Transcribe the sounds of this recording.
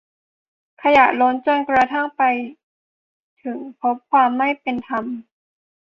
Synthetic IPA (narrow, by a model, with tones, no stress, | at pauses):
kʰa˧jaː˨˩k̚lo˧˦˥nt͡ɕo˧nkɾa˧t̪ʰa˥˩ŋpa˧j | t̪ʰɯ˨˩˦ŋpʰo˦˥p̚kʰwaː˧mːa˥˩jpe˧nt̪ʰa˧m